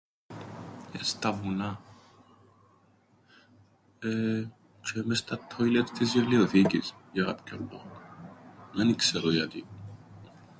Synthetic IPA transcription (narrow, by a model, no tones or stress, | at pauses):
est̪ɐvunɐ | e | t͡ʃʰemest̪ɐt̪ʰːoilet̪t̪izjɐlioθicisjɐɣɐ̰pcʰold̪ok | ðenikseɾojɐt̪i